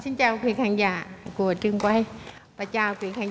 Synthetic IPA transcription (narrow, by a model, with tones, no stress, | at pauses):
si˧˦nt͡ɕa˧˩wkʰiː˧˩˨kʰa˧˩ŋjaː˧˩ku˨˧˩tɯ˧ŋka˧˩jpa˧˩t͡ɕaː˧˩wkʰwiː˧˩kʰa˧ŋ